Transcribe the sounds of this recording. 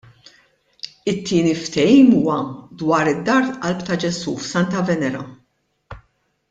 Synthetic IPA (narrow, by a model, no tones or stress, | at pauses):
ɪt̪ʰːɪːnift̪ɛjiːmuːwɐd̪wɐːɾɪd̪ːɐɾt̪ʔɐlpt̪ɐd͡ʒɛsuːfsɐnt̪ɐvɛnɛɾɐ̰